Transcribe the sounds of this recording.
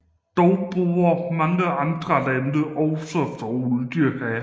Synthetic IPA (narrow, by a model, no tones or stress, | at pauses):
d̥ɒʊb̥oɐmɑ̈ŋəʔɑ̈nd̥ʁɐlændəʔɒʊsɒfɒuðˠd̥yɐ̰ɡ̥æ